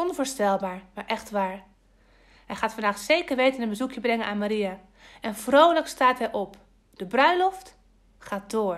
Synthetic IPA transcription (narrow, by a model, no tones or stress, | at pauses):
ɔnvʊːɹstɛlˠbaːɹmaːɹʔɛxtʋaːɹ | ɦɛjχaːtfandaːχtsejkəɹʋejtənənbəzukjəbrɛŋənaːnmaɾija | ɛnvrowləkstaːtɦɛjʔɔp | d̥əbrœɥlɔft | χaːt̚doːɹ